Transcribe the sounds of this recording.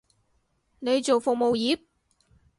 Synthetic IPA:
ne˨˧jt͡ʃo˨˩wfʊ˨k̚mo˨wjiː˨˥p̚

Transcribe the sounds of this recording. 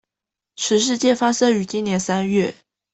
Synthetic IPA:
ʈ͡ʂʰɻ̩˧˥ʂ̬ɻ̩˥˧t͡ɕjɛ˥˩fa˥ʂɤ˥y˧˥t͡ɕi˥nnjɛ˧˥nsa˥nɥɛ˥˩

